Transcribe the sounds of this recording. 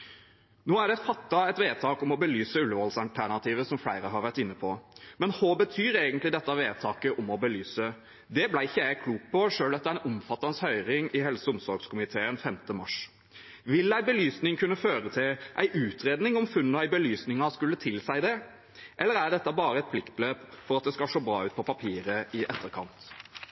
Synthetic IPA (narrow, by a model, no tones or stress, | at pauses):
noːæɖɛfɑt̪ːɑɛt̪ʋeːt̪ʰɑːkɔmɔbəlyːsəʉlʋɔlsɑlt̪ʰæɳɑt̪ʰiːʋəsɔmfɽæɪɾəɦɑɾʋæɾʈɪnːəpʰɔmɛnhoːbət̪ʰyːɾeːɡənt̪lɪd̪ɛt̪ːɑʋeːt̪ʰɑːkəʔɔmɔbəlyːsə | d̪ɛblæɪɪçːəjæɪkʰluːk̚pʰɔʂøːlɑt̪ːææɪnʔʊmfɑt̪ːɑnshœʏɾɪŋɪɦɛlsəʊmsɔɾɡskʰʊmɪt̪ʰeːənfɛmt̪əmɑ̰ʂ | ʋɪlːæɪbəlyːsnɪŋkʰʉnːəføːɾət̪ʰɪlʔæɪʔʉːt̪ʰɾeːd̪nɪŋɔmfʉnːnɔæɪbəlyːsnɪŋɑskʉlːət̪ʰɪlsæɪd̪ɛ | ʔɛlːəɾæd̪ɛt̪ːɑbɑːɾəɛt̪̚pʰlɪkt̪̚bløːpfɔɾɑt̪̚d̪ɛskɑʂoːbɾɑːʉːt̪̚pʰɔpʰɑpʰiːɾəɪʔɛt̪ʰːəɾkʰɑnt̪